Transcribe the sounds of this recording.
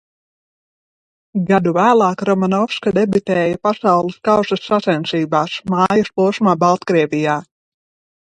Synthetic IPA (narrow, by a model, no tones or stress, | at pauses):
ɡad̪uvæːlˠɑːkɾɔmanɔfskad̪ɛbyt̪ɛːjapasawlˠiskawsɐsːasɛnsiːbaːsmaːjɐspuɔsmaːbalˠt̪kɾiɛvʲijaː